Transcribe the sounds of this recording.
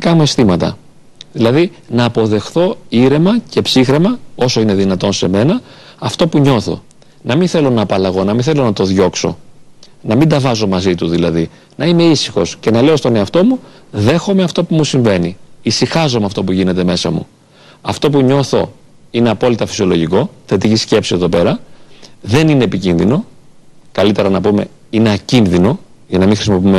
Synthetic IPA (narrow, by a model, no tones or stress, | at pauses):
ikɐmue̞st̪imɐt̪ɐ̰ | ðilɐði | nɐːpo̞ðe̞xθo̞iɾe̞mɐce̞psixɾe̞mɐo̞so̞ine̞ðinɐt̪o̞nse̞me̞nɐː | ft̪o̞puɲo̞θo̞̰ | nɐminθe̞lo̞nɐːpɐlɐɣo̞nɐminθe̞lo̞nɐt̪o̞ðʝo̞kso̞̰ | nɐmid̪ɐvɐzo̞mɐzit̪uðilɐði | nɐine̞isixo̞sce̞nɐle̞o̞st̪o̞ne̞ɐft̪o̞mu | ðe̞xo̞me̞ɐft̪o̞pumusiɱve̞niisixɐzo̞meɐft̪o̞p̬uʝine̞t̪e̞me̞sɐmṵ | ɐft̪o̞p̬uɲo̞θo̞̰ | ine̞ɐpo̞lit̪ɐfi̥sio̞lo̞ʝiko̞θe̞t̪icisce̞psie̞ðo̞pe̞ɾɐ | ðe̞nine̞ːpicinðino̞kɐlit̪e̞ɾɐnɐpume̞̰ | ine̞ɐcinðino̞ʝɐnɐmĩxɾisimo̞pime